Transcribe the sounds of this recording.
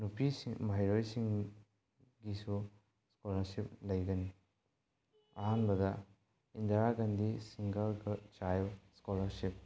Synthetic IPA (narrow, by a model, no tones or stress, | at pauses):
nupisimɐɦajɾojsiŋ | ɡisu | skolɐɾsip̚lɐjɡɐni | ɐɦanbɐdɐ | indaɾaɡɐndisiŋɡɐlɡɐt͡ʃajskolɐɾsip̚